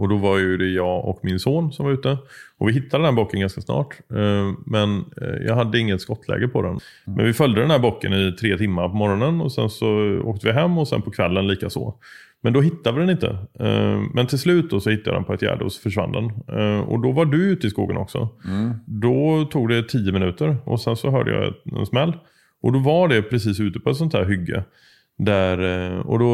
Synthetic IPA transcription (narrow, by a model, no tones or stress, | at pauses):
ɔd̪ɔvaɾjɵd̪ɛjɑːɔ̰kmɪnsoːnsɔmvaɾʉ̟ːt̪əɔvɪɦɪt̪ːad̪ɛnæːbokːənɡanskasnɑ̰ːʈ | mɛnjɑ̰ːɡɦad̪ːəɪŋːət̪skɔt̪ʰːlɛ̰ːɡəpʰɔd̪ɛn | mʔɛ̰nvɪfœld̪əd̪ɛnhæɾbokːənɪt̪ʰɾeːt̪ʰɪmːapɔmɔɾɔnənɔsɛnsɔoːkt̪əvɪɦɛmːɔsɛ̰npʰɔkʰvɛlːənliːkaso̰ː | mɛnd̪ɔɦɪt̪ʰːad̪əvɪd̪ɛnɪnt̪ʰə̰ | mɛnt̪ʰɪlslʉ̟ːt̪̚d̪osɔhɪt̪ːaja̰d̪ɛ̰npɔɛt̪jæ̰ːɖəɔsɔ̥fœʂva̰nd̪ɛnɔ̰d̪ɔvaɖɵʉ̟ːt̪əɪskuːɡənɔksɔ̰ | d̪ɔt̪ʰuːɡd̪ɛt̪ʰiːjəmɪnʉ̟ːt̪əɾʔɔ̰sɛnsɔɦœːɖə̰jɑ̰ɛ̰ɛ̰nsmɛlː | ʔɔd̪ɔvaɖɛpʰɾɛsiːsʉ̟ːt̪əpʰɔɛt̪sɔnt̪hæːɾɦʏɡːə̰ | d̪æɾɔ̰d̪ɔ